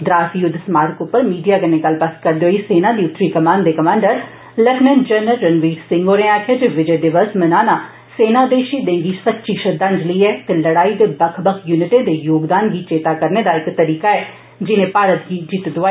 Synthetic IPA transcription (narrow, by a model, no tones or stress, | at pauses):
d̪ɾaːsiːjʊd̪smaːɾkʊpːəɾmiːɖijaːkəɾnẽːɡəlːpəskəɾd̪eːɦoːiːseːnãːd̪iːʊt̪ːɾiːkəmãːnd̪eːkəmãːɳɖəɾ | ləʈnənd͡ʒəɾnəlɾənʋiːʈsɪ̃ŋɡoːɾeːaːkʰeːd͡ʒeʋɪd͡ʒeːɖɪʋəsmənaːnaː | seːnãːd̪eːʃiːd̪ẽːŋɡiːsətːʃiːʃəd̪ə̃nd͡ʒləiːɛːt̪eːləɽaːid̪eːbəkʰbəkʰjuːnɪʈeːd̪eːjoːɡd̪aːnɡiːt͡ʃeːt̪aːkəɾneːd̪aːɪkt̪əɾiːkaːɛː | d͡ʒɪnẽːpaːɾət̪̚ɡiːd͡ʒit̪d̪ʊaː